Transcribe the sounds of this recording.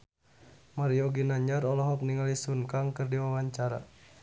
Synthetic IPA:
maɾiɔɡinaɲarɔlɔɦɔp̚niŋalisunkaŋkərdiwawaɲt͡ʃaɾa̰

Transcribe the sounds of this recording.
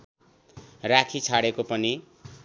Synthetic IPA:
rakʰit͡sʰaɽekopʌni

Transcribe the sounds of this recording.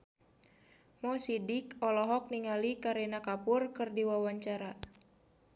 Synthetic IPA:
mɔsidikɔlɔɦɔk̚niŋalikaɾinakapʊrkɨrdiwawaɲt͡ʃaɾa

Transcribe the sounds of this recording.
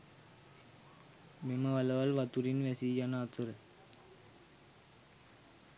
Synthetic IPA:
mimɐʋɐlɐʋɐlʋɐt̪uɾinʋesijɐnaːt̪ɯɾɐ

